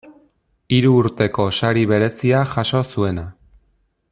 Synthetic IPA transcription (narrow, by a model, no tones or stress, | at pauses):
iɾuːɾt̪e̞ko̞saɾiβe̞ɾe̞siaʝaʃo̞sue̞na